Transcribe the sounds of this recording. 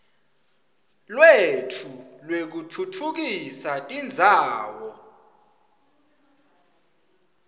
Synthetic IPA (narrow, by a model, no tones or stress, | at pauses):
lwetʰulwek̬utʰutʰuk̬isatʼind͡zʱaːwɔ